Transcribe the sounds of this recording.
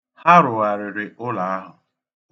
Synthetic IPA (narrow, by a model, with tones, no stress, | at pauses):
ha˦ɾʊ˨wa˨ɾɪ˨ɾɪ˨ʔʊ˦la˨a˦ɦʊ˨